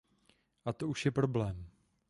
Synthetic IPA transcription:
ʔat̪o̞uʃjɛpɾoblɛːm

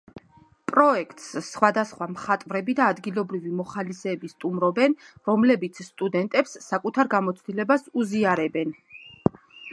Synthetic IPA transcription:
pʼɾɔɛkʰt̪ʼssχwad̪asχwamχat̪ʼvɾɛbid̪aːd̪ɡilˠɔbɾivimɔχalisɛːbist̪ʼumɾɔbɛnɾɔmlɛbit̪sʰsːt̪ʼud̪ɛnt̪ʼɛpsːakʼut̪ʰaɾɡamɔt̪sʰd̪ilɛbasuziaɾɛbɛn

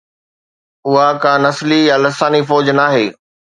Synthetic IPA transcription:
ʊɦakãnɐslijalɪsaːnifɔːd͡ʑnaːɦeː

